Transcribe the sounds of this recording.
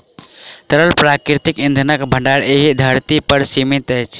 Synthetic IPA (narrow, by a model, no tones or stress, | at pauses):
t̪əɾəlpɾakɾit̪ikind̪ʱənəkbʱə̃ɳɖaɽeɦid̪ʱəɾt̪ipəɾsimit̪əjt͡ʃʰ